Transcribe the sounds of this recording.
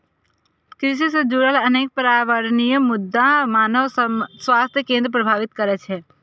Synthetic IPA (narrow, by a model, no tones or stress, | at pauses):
kɾɪʃ̬isẽd͡ʒuɾəlɐneːk̚pəɾaːʋəɾnijmʊd̪ʱːãmaːnəswaːst̪ʰjəkẽːnd̪ɾəpɾəbʱaːʋɪt̪kəɾɛt͡ʃʰɦɛː